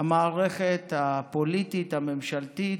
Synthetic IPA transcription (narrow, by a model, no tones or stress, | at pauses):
amaːʁeχet̪hapolitit̪hamemʃalt̪it